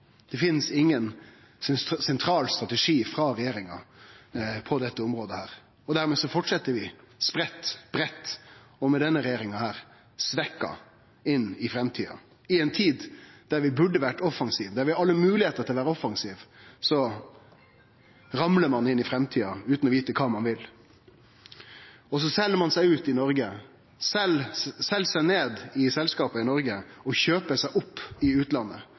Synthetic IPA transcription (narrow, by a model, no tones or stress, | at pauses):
d̪̥ɛfɪnːsɪŋːən | sɛnt̪ʰɾɑːlst̪ɾɑt̪ɛʂiːfɾɑɾɛjeːɾɪŋɑ | pʰɔd̪ɛt̪ːəʊmɾoːd̪əhæːɾ | ɔd̪æɾmeːsɔfɔʈʂɛt̪ːəɾʋɪ | spɾɛt̪ːb̥ɾɛt̪ː | ɔmɛd̪ɛnːəɾɛjeːɾɪŋɑhæːɾ | sʋɛkːɑ̰ | ɪnːɪfɾɛmt̪ʰiːɑ̰ | ɪɛnt̪ʰiːd̪d̪̥æɾʋɪbʉɖəʋæʈɔfːɑŋsiːʋd̪æɾʋɪhɑɑlːəmʉːlɪheːt̪əɾt̪ʰɪlɔʋæːɾəɔfːɑŋsiːʋsɔ | ɾɑmləɾmɑnɪnːɪfɾɛmt̪ʰiːɑʉːt̪nɔʋiːt̪əkʰɑːmɑnʋɪl | ɔs̬ɔsɛlːəɾmɑnsæɪʉːt̪ɪnɔɾɡə | sɛlsɛlsæɪneːd̪ɪsɛlskɑːpəɪnɔɾɡəɔçøːpəsæɪʔʊpːɪʉːt̪lɑnːə̰